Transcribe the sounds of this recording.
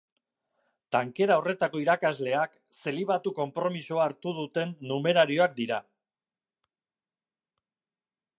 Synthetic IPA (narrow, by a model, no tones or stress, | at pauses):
t̪aŋke̞ɾaore̞t̪ako̞iɾakazle̞ak | se̞liβ̞at̪uko̞mpɾo̞misoaːɾt̪uð̞ut̪e̞nːume̞ɾaɾio̞ak̚d̪iɾa